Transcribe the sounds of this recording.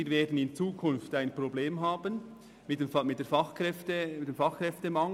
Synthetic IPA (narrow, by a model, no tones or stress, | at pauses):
iːɾveːdn̩ɪnt͡suːkʰʊnftaɪnpɾobleːmɦaːbən | mɪemɪt̚d̥ɛfɑχkɛftətd̥eːmfɑχkɾɛftemɑŋ